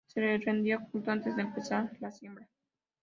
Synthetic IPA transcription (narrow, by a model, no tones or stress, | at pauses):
selerend̪joxunt̪oant̪e̞zd̪eːmpesaɾlasjembɾa